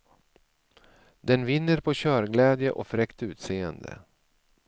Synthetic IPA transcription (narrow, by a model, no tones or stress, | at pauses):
d̪ɛnvɪnːəɾpʰɔɕœːɾɡlɛːd̪jəʔɔfɾɛkt̪ʉ̟ːt̪seːənd̪ə̰